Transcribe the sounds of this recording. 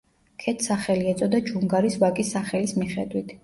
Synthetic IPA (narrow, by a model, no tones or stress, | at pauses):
kʰɛt̪ʰsaχɛliɛt̪sʼɔd̪ad͡ʒuŋɡaɾisvakʼisːaχɛlismiχɛ̰d̪wit̪ʰ